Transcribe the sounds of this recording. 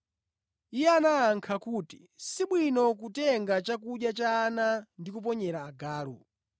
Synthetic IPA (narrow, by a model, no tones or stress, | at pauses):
ijɛanaːŋkʰakuːti̥ | siɓwinɔkutɛŋɡat͡ʃak̬uɗjat͡ʃaːnandikup̬ɔɲɛɾaːɡaːlɔ̰